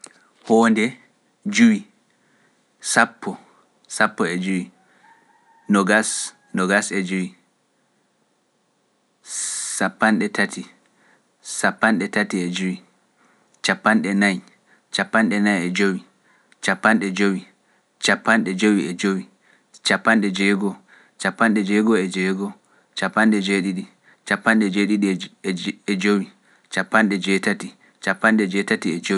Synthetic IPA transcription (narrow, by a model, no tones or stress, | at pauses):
hɔːndɛ | d͡ʒuwi | sapːɔ | sapːɔɛd͡ʒuwi | nɔɡas | nɔɡasɛd͡ʒuwi | sapːanɗɛtʰatʰi | sapːanɗɛtatiɛd͡ʒuwi | t͡ʃapːanɗɛnaj | t͡ʃapːanɗɛnajɛd͡ʒowi | t͡ʃapːanɗɛd͡ʒowi | t͡ʃapːanɗɛd͡ʒowiɛd͡ʒowi | t͡ʃapːanɗɛd͡ʒɛɡɔ | t͡ʃapːanɗɛd͡ʒɛɡɔɛd͡ʒɛɡɔ | t͡ʃapːanɗɛd͡ʒeɗiɗi | t͡ʃapːanɗɛd͡ʒeɗiɗi | ɛd͡ʒowi | t͡ʃapːanɗɛd͡ʒɛtati | t͡ʃapːanɗɛd͡ʒɛtatiɛd͡ʒo